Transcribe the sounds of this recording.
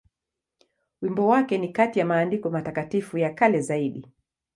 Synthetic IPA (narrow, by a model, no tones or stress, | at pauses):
wimbɔwakɛnikatijamaːndikɔmatakatifujakalɛzaiɗi